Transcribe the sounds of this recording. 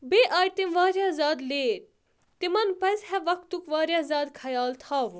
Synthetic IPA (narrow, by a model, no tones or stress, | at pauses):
beːʔaːjt̪imʋaːɾjaːzaːd̪leː | t̪imɐnpɐshɛʋɐkt̪ukʋaːɾjaːzaːd̪kʰɐjaːlt̪ʰaːʋu